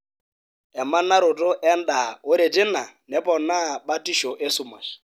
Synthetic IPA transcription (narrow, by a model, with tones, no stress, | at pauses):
ɛ˨ma˦na˦ɾʊ˨tʼʊ˦ʔɛ˦n˦da˨ʊ˦ɾɪ˨dʼɪ˦na˨nɛ˦pʼɔ˨na˦ba˦tʼi˦ʃɔ˨ʔe˦sʊ˦˨ma̰˨ʃi̥˨